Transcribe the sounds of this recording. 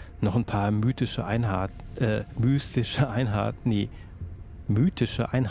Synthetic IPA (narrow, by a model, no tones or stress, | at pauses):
nɔχn̩pʰaːɐmyːtɪʃəʔaɪnhaːtʔɛːmyːstɪʃəʔaɪnɦa̰ːtn̩neː | myːtʰɪʃəʔa̰ɪnh